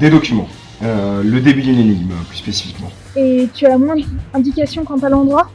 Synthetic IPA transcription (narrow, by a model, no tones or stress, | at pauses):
d̪ed̪ɔkʲymɑ̰̃ | øləd̪ebyd̪yneniɡmplyspesi̥fikmɑ̃ | et̪yamw̃ɛ̃d̪ɛ̃d̪ikasjɔ̃kɑ̃t̪alɑ̃d̪ʁwa